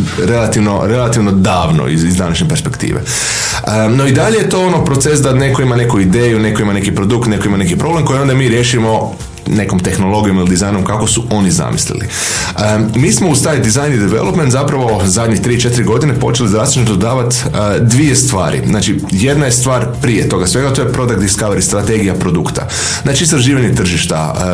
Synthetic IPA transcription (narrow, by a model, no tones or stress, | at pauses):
ɾe̞lat̪iʋno̰ɾe̞lˠat̪iʋno̞d̪aːʋno̰iizd̪anaʃɲepe̞ɾspe̞kt̪ḭːʋḛ | ənoid̪aʎejet̪o̞ːonopɾo̞t̪sesd̪ane̞koimane̞kuid̪eːjune̞koimane̞kipɾo̞d̪ukt̪ne̞koimane̞kipɾo̞ble̞mko̞jio̞nd̪amiːɾje̞ːʃimo̞ | ne̞ko̞mt̪e̞xno̞lˠo̞ɡijo̞milid̪izajnomkakosuo̞niza̰mḭslḭlḭ | əmiːsmoust̪ajd̪izajnid̪eʋe̞̰lˠopment̪zapɾaʋo̞zad̪ʲɲit̪ɾiːt͡ʃe̞t̪iɾiɡo̞d̪inepo̞̰t͡ʃe̞lizɾazit͡ʃnit̪od̪aːʋat̪ | əd̪ʋie̞st̪ʋaːɾḭznaːt͡ʃi | je̞d̪najest̪ʋaːɾpɾijet̪o̞ɡasʋe̞ɡat̪o̞jepɾo̞d̪ak̪̚iskaʋeɾist̪ɾat̪eɡijapɾo̞d̪ukt̪a̰ | znaːt͡ʃiːst̪ɾaʒiːʋaɲet̪r̩ʒiʃt̪a̰